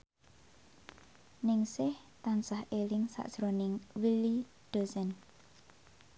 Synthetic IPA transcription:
nɪŋsɪh | t̪ansahʔelɪŋsa̰ʔd̥ʒ̥ɾonɪŋwili | d̪̥o̤sɛn

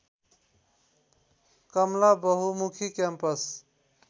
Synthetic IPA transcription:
kʌmlabʌɦumukʰikɛmpəs

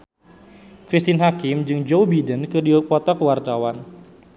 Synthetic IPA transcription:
kɾist̪inɦakɪmd͡ʒɨŋd͡ʒowbidənkɨdiopɔt̪ɔkəwart̪awan

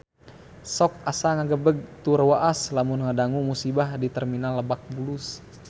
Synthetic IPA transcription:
sɔk̚asaŋaɡəbəɡ̚t̪urwaʔaslamunŋadaŋumusibahdit̪ərminalːəbak̚bulus

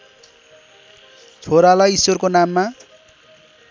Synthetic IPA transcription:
t͡sʰoɾalaisworkonamːa

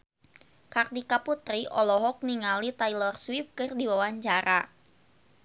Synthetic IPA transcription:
kardikaput̪ɾiʔɔlɔɦɔk̚niŋalit̪ajlɔrswifkɨrdiwawaɲt͡ʃaɾa

